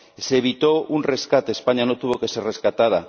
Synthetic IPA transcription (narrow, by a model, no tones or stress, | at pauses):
seβ̞it̪ounreskat̪eːspaɲanot̪uβ̞o̞ke̞sereskat̪að̞a